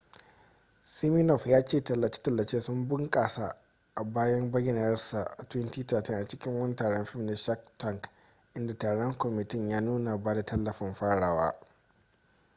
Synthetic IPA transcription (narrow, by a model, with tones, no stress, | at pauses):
si˦mi˦nɔ˨ɸjaː˦t͡ʃeː˦˨tɐ˨lːɐ˨t͡ʃe̥ː˦tɐ˨lːɐ˨t͡ʃeː˦sʊ˦mbʊ˦ŋkʼaː˨sa˨ | ʔa˨baː˦jɐ˦mbɐ˦ɡʲɪ˨na˨ɐ˦rsa˨ʔa˨tʊ˦ɪ˦ntiː˦taː˨tɪ˦ŋʔa˨t͡ʃɪ˦kʲɪ˦ŋwɐ˦n˦taː˨ɽɔ˦mɸɪ˦m˨ne˦ʃa˦ktɐ˦˨ŋɡ | ʔɪ˦nda˨taː˨ɽɔ˦ŋkʷɔ˨mɪ˨tɪ˦˨ɲjaː˦nuː˦na˨baː˦da˨tɐ˦lːɐ˨ɸɪ˨mɸaː˦ɽaː˨wa̰ː˦